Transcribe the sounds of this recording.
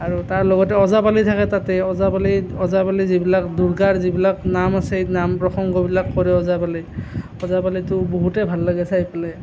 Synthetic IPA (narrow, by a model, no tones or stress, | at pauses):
aɹutaɹlɔɡɔtɛɔzabalitʰakɛtatɛɔzabaliɔzabalizibilakduɹɡaɹzibilaknamasɛnampɹɔxɔŋɡɔbilakːɔɹɛɔzabali | ɔzabalitʊboɦutɛbʱalːaɡɛsaipalɛ